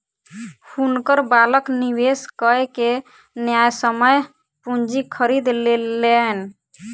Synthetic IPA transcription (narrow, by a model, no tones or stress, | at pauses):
hunkəɾbaləkniweskəeke | njajsəməj | pund͡ʒikʰəɾid̪lelen